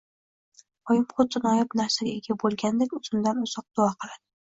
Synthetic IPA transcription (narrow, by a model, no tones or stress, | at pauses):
ɒjɪmχʊt̪̚d̪ɪnɒjɒpnaɾsaɡʲaeɡʲabolˠɡʲand̪ekʲʊzʊmd̪anʊz̥ɒq̚d̪̥ʊɒqʰɨlˠad̪̥ɪ